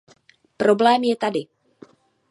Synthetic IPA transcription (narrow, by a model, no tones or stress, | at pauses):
pɾo̞blɛːmjɛt̪adɪ